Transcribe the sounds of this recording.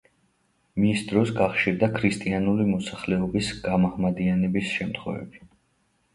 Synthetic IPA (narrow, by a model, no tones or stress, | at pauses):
misd̪ɾɔsɡaχʃiɾd̪akʰɾist̪ʼianulimɔsaχlɛɔbisɡ̥amaʁmad̪ianɛbisʃɛmt̪ʰχwɛ̰vɛ̰bi